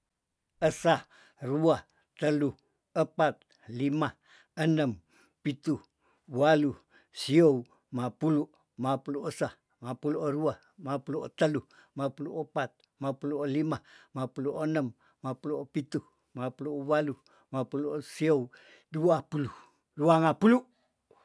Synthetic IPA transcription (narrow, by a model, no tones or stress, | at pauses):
əsa | ɾua | t̪əlu | əpat̪̚ | lima | ənəm | pit̪u | walu | siow | mapuluʔ | mapuluʔəsa | mapuluʔɾua | mapuluʔt̪əlumapuluʔəpat̪̚ | mapuluʔlimamapuluʔənəmː | apuluʔpit̪u | mapuluwalu | mapuluʔsiow | duapulu | ruaŋapuluʔ